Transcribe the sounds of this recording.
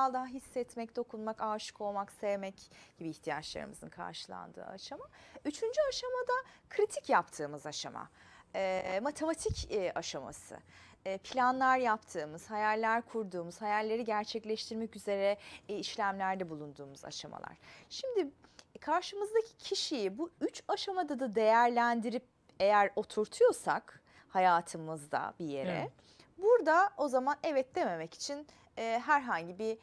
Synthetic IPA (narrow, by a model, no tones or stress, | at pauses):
alˠd̪aɦaɦisːɛt̪mɛc̚d̪o̞kʰunmakaːʃɯ̥ko̞lˠmaksevmɛcɟ̥ibiːçt̪ʰijat͡ʃlˠa̰ɾɯ̰mɯ̰zɯ̰nkʰa̰ɾʃɯlˠa̰nd̪ɯ̰ːa̰ʃamayt͡ʃʰynd͡ʒyaʃamad̪akʰɾit̪ʰicjapt̪ʰɯːmɯzaʃa̰ma̰ | ɛmat̪ʰe̞mat̪ʰicaʃama̰sɯ̰ | pʰilʲanlˠaɾjapt̪ʰɯːmɯz̥hajæɾlʲæɾkʰuɾd̪uːmuz̥hajællːʲe̞ɾiɟæɾt͡ʃʰɛclʲɛʃt̪ʰiɾmɛcyze̞ɾɛiʃlʲæmlʲæɾd̪ɛbulˠund̪uːmuza̰ʃa̰ma̰lˠa̰ɾ̝̥ʃimd̪ikʰaɾʃɯmɯzd̪acʰi̥cʰiʃijibuyt͡ʃaʃamad̪ad̪ad̪e̞jæɾlʲænd̪iɾip̚ | e̞jæɾo̞t̪ʰuɾt̪ʰujo̞sa̰k | hajaːt̪ʰɯmɯzd̪a̰bije̞̰ɾɛ̰ | buɾd̪ao̞zamanɛvɛt̪̚d̪e̞me̞mɛci̥t͡ʃʰinː | ɦæɾɦaɲɟibi